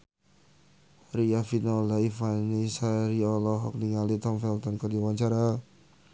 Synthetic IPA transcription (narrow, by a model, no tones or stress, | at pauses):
riafinɔlaifanisaɾiɔlɔɦɔk̚niŋalit̪ɔmfɛlt̪ɔnkɔdiwaɲt͡ʃaɾa